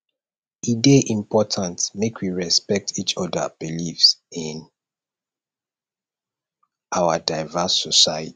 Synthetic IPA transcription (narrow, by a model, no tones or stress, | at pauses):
ideʔĩmpʰɔtʰãntmekʰwiɹɛspɛk̚tʰit͡ʃɔdə̰b̥ilifsĩn | ʔawadaɪvasːɔsaɪəti̥